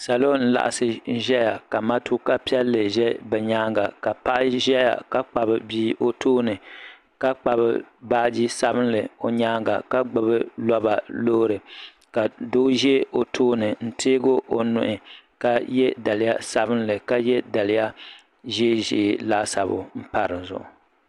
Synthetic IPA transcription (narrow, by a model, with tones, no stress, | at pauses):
sa˨lo˦n̩˦la̰˨ʔa̰˨sɨ˦ʒɛ˦ja˨ka˨ma˦tʰu˦ka˦pi˦ɛ˦lːɨ˨ʒɛ˦bɛ˨ɲaː˦ŋɡa˨ka˨pa˦ʔa˦ʒɛ˦ja̰˨ka˦k͡pa˨bɨ˦biː˦ʔo˦tʰoː˦nɨ˨ | ka˦k͡pa˨bɨ̰˦baː˦d͡ʒi˦sa˦bɨ˦n˦lɨ˨o˨ɲaː˦ŋɡa̰˨ka˦ɡ͡bɨ˨bɨ˦lɔ˦ba˨loː˦ɾɨ˨ | ka˨do˦ʒɛ˦o˨tʰoː˦nɨ˨n̩˦tʰeː˦ɡo˦ʔo˨nʊ̰˨ʔɪ˨ | ka˦jɛ˦da˨lɪ˨˦ja˦sa˦bɨ˦nlɨ˨ka˦jɛ˦da˨lɪ˦ja˦ | ʒe˦ʒḛ˨˦˨laː˦sa˨bʊ̰˨m̩˦pa˨ɾɨ˨n˨zʊ̰˨ʔʊ˨